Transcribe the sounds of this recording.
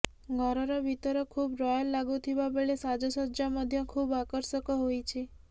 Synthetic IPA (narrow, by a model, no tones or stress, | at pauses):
ɡʱɔɾɔɾɔbʱit̪ɔɾɔkʰubɾɔjɔlːaɡut̪ʰibabeɭesad͡ʒɔsɔɾd͡ʒamɔd̪ʱjɔkʰubakɔɾsɔkɔɦojt͡ʃʰi